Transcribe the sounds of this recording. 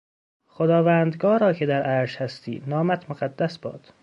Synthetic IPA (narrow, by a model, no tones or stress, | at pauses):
χod̪ɒːvæːnd̪ɡɒːɾɒːcʰed̪æɾʔæːɾʃhæst̪ḭːd̪nɒːmæt̪ʰmoɣæd̪ːæsbɒ̰ːd̪̥